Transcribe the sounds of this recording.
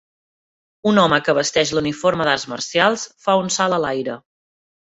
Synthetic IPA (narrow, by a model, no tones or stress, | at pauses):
unɔməkəβ̞əst̪ɛʃluniforməðarzmə̰rsjalˠsfaunsaləlajɾə